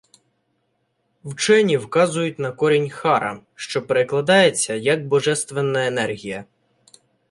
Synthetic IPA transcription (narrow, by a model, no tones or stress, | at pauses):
wt͡ʃɛnʲiwkɑzʊjʊtʲnɐkɔɾʲinʲxɑɾɐʃt͡ʃɔpeɾɪklˠɐd̪ɑjet͡sʲːɐjɐk̚bɔʒɛst̪ʋenːɐenɛrɦʲijɐ